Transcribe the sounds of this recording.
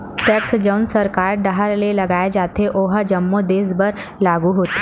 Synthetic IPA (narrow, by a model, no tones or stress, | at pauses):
ʈɛksd͡ʒəwnsəɾkaːɾɖəɦaɾlelɐɡaːjed͡ʒat̪eʔoɦəd͡ʒəmːod̪eːsbəɾ | laɡuɦot̪e